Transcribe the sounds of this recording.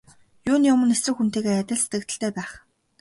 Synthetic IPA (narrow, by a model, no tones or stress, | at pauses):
jʊːnjʊmə̆nesrɘ̆kxun̥t̪eːɣeːæt̪ʲə̆ɮset̪ɡɘ̆kt̪ə̆ɬt̪ʰeːpæːχ